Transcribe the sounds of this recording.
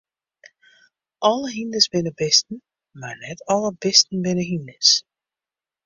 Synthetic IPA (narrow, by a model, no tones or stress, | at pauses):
ʔɔlˠəɦindəsbɪnəbɪstən̩ | marnɛtɔlˠəbɪstn̩bɪnəɦindəs